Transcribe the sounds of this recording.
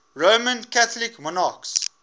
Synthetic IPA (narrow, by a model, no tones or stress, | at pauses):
ɹomə̃nkatɔlɪkmɔnaks